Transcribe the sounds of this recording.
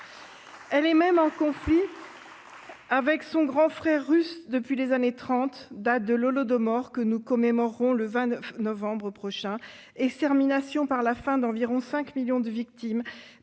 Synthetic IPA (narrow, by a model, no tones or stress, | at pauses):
ɛlɛmɛmɑ̃kɔ̃fli | avɛksɔ̃ɡʁɑ̃fχɛʁːysd̪əpɥilezanet̪χɑ̃t̪d̪at̪̚d̪əlɔlɔd̪ɔmɔʁkənukɔmemɔʁːɔ̃ləvɛ̃nɔvɑ̃bʁəpχɔʃɛ̃ | ɛkst̪ɛʁminasjɔ̃paʁlafɛ̃d̪ɑ̃viʁɔ̃sɛ̃kmiljɔ̃d̪əvikt̪im